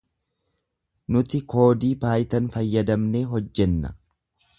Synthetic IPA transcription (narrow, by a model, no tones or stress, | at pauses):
nʊt̪ɪko̞ːd̪iːbaːjt̪ɐnfɐjːɐd̪ɐmne̞ːɦɔd͡ʒːɛnːɐ̰